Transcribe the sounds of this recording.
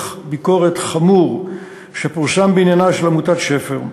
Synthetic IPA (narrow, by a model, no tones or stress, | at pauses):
χbiko̞ʁetχamuʁ | ʃepuʁsambeinjanaʃelamutatʃefeʁ